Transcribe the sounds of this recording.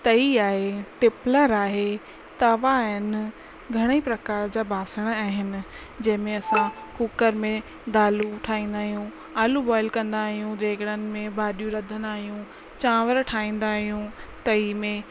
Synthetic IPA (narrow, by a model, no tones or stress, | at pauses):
t̪ɐiaːɦeʈɪpləɾaːɦe | t̪ɐʋaɦɪnɪ̆ | ɡʱɐɽ̃ipɾɐkaːɾd͡ʑaːbʱaːsəɽ̃aːɦɪnɪ̆ | d͡ʑɐ̃ɦɪ̃mẽɐsã | kuːkəɾmẽ | d̪aːluʈʰaːĩːnd̪aːɦijũ | aːlubɔːɪlkɐ̃nd̪aːɦijũd͡ʑeːkəɽənɪ̆mẽbʱaːɗijũɾɐd̪ʱənaːɦijũ | t͡ɕãːʋəɾʈʰaːĩːn̆d̪aːɦijũt̪ɐiːmẽ